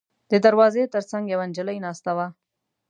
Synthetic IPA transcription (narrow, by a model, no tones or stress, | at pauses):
d̪əd̪aɾwɑzet̪əɾt͡saŋɡjawand͡ʒələjnɑst̪awa